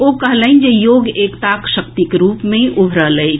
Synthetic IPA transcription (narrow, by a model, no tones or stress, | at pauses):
okəɦlə̃nd͡ʒejoːɡeːkt̪akʃəkt̪ikɾuːpmẽʔubʱɾələjt͡ʃʰ